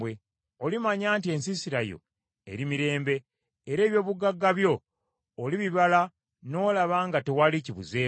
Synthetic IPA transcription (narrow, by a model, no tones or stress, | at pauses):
we | olimaɲaːntie̞nsisiɾajo̞̰ | ḛɾimiɾe̞ːmbe̞ː | ɾe̞ːβjo̞ːβuɡaɡːaβjo̞ː | liβiβala | no̞ːlaβaːŋɡate̞waliciβṵze̞ː